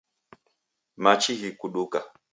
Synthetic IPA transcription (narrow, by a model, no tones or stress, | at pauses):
mat͡ʃiɦikuɗuka